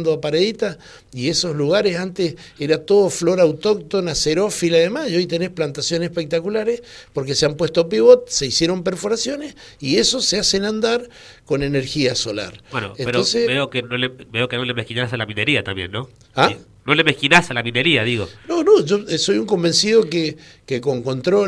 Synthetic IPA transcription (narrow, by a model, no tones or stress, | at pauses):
nd̪oapaɾeðit̪a | ieso̞zluɣaɾesant̪es | eɾat̪o̞ðoflo̞ɾawt̪o̞k̚t̪o̞naseɾo̞filaðemasio̞jt̪e̞ne̞splant̪asjo̞nesepek̚t̪akulaɾespo̞ɾkeseampwe̞st̪op̬iβo̞t̪̚se̞isje̞ɾo̞mpe̞ɾfo̞ɾasjo̞nes | ieso̞seasenãnd̪aɾ | ko̞ne̞neɾxiaso̞la̰ɾweno̰enpeɾonsebeokenolebeokenolemehkinasalamĩneɾiat̪ambjenːo̞ | a | nolemehkinasalamĩneɾiaðiɣononoʒost̪o̞juŋko̞mbe̞nsiðo̞ke | keko̞ŋko̞nt̪ɾo